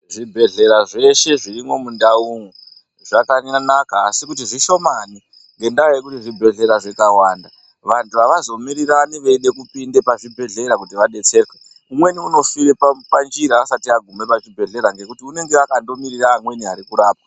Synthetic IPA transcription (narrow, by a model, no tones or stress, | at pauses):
ʐibʱe̞ɮe̞ɾaʐe̞ʃe̞ʐirimo̞mundauŋu | ʐakaanakaːsikut̬iʐiʃo̞mani | ŋɡe̞ndaoje̞k̬utiʐibʱe̞ɮe̞ɾaʐekawaːnda | ʋantuʋaʋazo̞miɾiraniʋe̞iɗe̞kupindepaʐibʱe̞ɮe̞ɾakutiʋaɗe̞t͡se̞rke | umwe̞niuno̞fiɾeppand͡ʒiɾaasatiaɡʱume̞pat͡ʃibʱe̞ɮe̞ɾaŋɡe̞kutiune̞ŋɡe̞akando̞miɾiraːmwe̞niɦaɾikuɾaːp̚a